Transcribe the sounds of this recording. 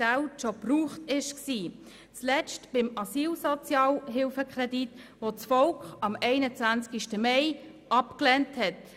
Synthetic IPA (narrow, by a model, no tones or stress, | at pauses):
aʊʃɔpruːχtɪʃksiː | t͡slɛt͡stb̥ɪmɑsiːlsɔt͡sjɑːlɦɪlfəkχɾɛdit | ʋot͡sfɔlkχɑmɛɪnət͡sʋænt͡skiʃtəmɛɪ | ɑpklɛnthɛt